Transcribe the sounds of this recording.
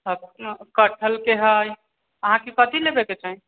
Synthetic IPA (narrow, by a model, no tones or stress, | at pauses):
ɦəkəʈʰəlkeɦəj | əɦãkekət̪ilebeket͡ʃaɦi